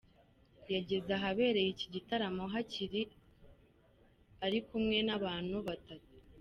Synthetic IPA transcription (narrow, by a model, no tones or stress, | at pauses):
jaɟiɾɡaɦaβe̞ːɾe̞jiciɟitaɾamo̞ɦaciɾi | aɾikumŋe̞naβaːn̥huβatatu̥